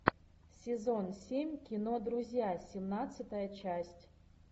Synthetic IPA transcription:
sʲɪzonsʲemʲkʲɪnod̪ɾuzʲjasʲɪmnat̪sɨt̪əjət͡ɕasʲtʲ

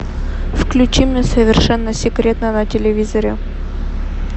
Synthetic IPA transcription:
fklʲʉt͡ɕimnʲəsəvʲɪrʂɛnːəsʲɪkɾʲe̞t̪nənətʲɪlʲɪvʲizəɾʲɪ

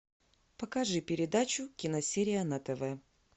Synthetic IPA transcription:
pəkɐʐɨpʲɪɾʲɪd̪at͡ɕʊkʲɪnɐsʲeɾʲɪjənɐt̪ɛvɛə

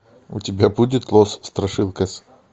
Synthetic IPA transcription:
ʊtʲɪbʲabudʲɪt̪lˠosst̪ɾɐʂɨlˠkɐsʲ

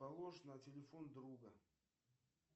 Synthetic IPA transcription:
ɐlˠoʂnɐtʲɪlʲɪfond̪ɾuɡə

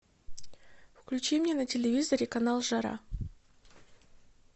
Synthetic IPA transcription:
fklʲʉt͡ɕimʲnʲenətʲɪlʲɪvʲizəɾʲɪkɐnalˠʐɐɾa̰

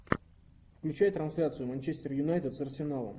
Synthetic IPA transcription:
fklʲʉt͡ɕæjət̪ɾɐnsʲlʲat̪sɨjʊmɐnʲt͡ɕesʲtʲɪrjʊnajt̪ʲɪt̪sɐrsʲɪnalˠə̰m

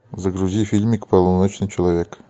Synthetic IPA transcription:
zəɡɾuzʲifʲilʲmʲɪkʲpɐlˠonot͡ɕnɨt͡ɕɪlˠavʲek

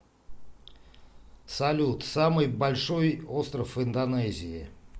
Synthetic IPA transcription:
sɐlʲut̪samɨjbɐlʲʂo̞jo̞st̪ɾəfɨnd̪ɐnɛzʲɪɪ

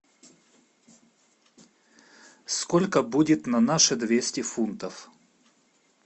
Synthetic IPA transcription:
skolʲkəbudʲɪt̪nɐnaʂɨd̪vʲesʲtʲɪfunt̪əf

